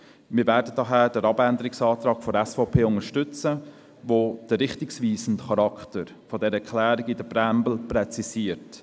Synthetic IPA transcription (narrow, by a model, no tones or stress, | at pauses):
mɪːvɛːɾdədɑɦæːd̥əɾɑbændəɾɪksɑːt̪ɾɑːɡ̥fɔɾɛsfɔʊpʰeːʊŋəʃtʏt͡sə | ʋod̥əɾɪχtɪksʋiːsən̩tχɑɾɑkʰtəɾ | fɔdɛɾəɛkʰlæːɾɪɡɪdəbɾæmbl̩pɾɛt͡sisiəɾt